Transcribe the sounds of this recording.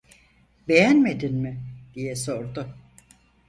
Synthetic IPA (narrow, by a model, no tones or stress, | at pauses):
be̞jænme̞d̪inmɪd̪̥ijɛso̞ɾd̪ʊ